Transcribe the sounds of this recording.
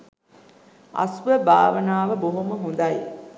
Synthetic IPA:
ɐ̰sʋəba̰ːʋənaːʋəboɦuməɦund̪ɐj

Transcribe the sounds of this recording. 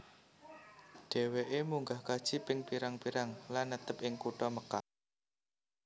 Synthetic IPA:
ɖ̥e̤weʔemuŋɡahkad̥ʒ̥i̤pɪŋpiɾaŋpiɾaŋlanːət̪əpɪŋkuʈɔməka̰

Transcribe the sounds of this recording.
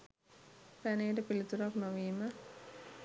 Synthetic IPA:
pæneːʈəpilit̪uɾaknoʋiːmə

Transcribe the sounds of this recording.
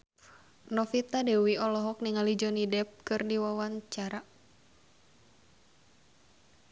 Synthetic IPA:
nɔfit̪adɛwiɔlɔɦɔk̚niŋalid͡ʒɔnidɛp̚kɨrdiwawaɲt͡ʃaɾa

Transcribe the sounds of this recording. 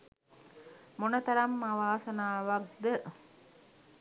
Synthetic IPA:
monɐt̪ɐɾɐmːaʋaːsɐnaːʋɐɡd̪ə

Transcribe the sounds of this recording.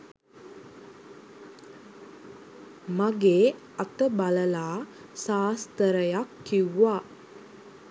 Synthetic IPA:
maɡeː | at̪əbaləlaː | saːst̪əɾəjakːiwːaː

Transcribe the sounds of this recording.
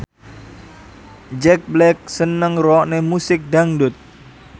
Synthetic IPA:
d͡ʒɛk̚blɛk̚sənəŋrɔʔnemusɪk̚daŋdʊt̪̚

